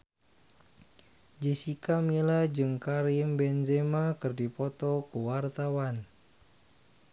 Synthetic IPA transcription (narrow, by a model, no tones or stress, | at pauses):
d͡ʒesikamilad͡ʒɨŋkaɾɪmbɛnzemakɨrdipɔt̪ɔkəwart̪awan